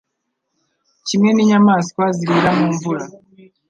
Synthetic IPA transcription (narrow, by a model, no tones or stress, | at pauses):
cimŋe̞niɲamaːsi̥kwaziɾiɾamuːɱvuɾa